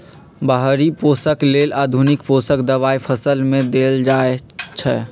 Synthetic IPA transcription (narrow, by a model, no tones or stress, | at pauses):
bəɦɾiposəklelad̪ʱunikposəkd̪əβaipʰəsəlmed̪eld͡ʒaet͡ʃʰɛ